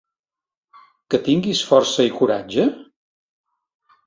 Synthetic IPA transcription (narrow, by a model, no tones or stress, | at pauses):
kət̪iŋɡisfɔrsəikuɾad͡ʒə